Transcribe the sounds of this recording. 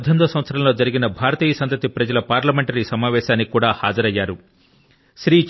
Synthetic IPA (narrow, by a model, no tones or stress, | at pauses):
d̪ʱɐnd̪ɐsɐʋɐt̪sɐɾɐmlo̞ːd͡ʒɐɾiɡinɐbʱaːɾɐt̪iːjɐsɐnt̪ɐt̪ipɾɐd͡ʒɐlɐpaːɾlɐmeɳʈɐɾisɐmaːʋɛːʃaːnːikuːɽaːha̰ːd͡ʒɐɾɐjːaːɾu | ʃɾiː